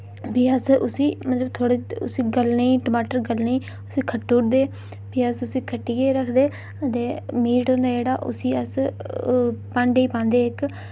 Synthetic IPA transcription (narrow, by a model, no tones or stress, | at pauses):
biːəsʊsiːmət̪ləbt̪ʰoːɽeːʊ̰siːɡəlneiːʈəmaːʈəɾɡəlneiː | ʊsiːkʰəʈːuːʈd̪eː | biːəsʊsiːkʰəʈːiːɡeːɾəkʰd̪eː | ət̪eːmiːʈõːnd̪aːd͡ʒeːɽaːʔʊ̰siːəs | pãɳɖiːpãːnd̪eːɪk